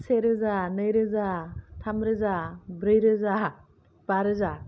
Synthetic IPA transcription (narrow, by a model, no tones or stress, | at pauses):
seɾɯzanəjɾɯzatʰamɾɯzabɾɯjɾɯza | b̥aɾɯza